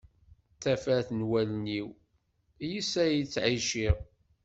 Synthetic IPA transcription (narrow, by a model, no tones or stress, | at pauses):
θæfæθnwælniw | jisæjit͡sːʕiʃiʁ